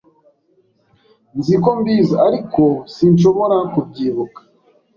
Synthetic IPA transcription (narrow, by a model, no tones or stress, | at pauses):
nziko̞mbiːzaaɾikosinʃo̞βo̞ɾakub̚ɟiːβukḁ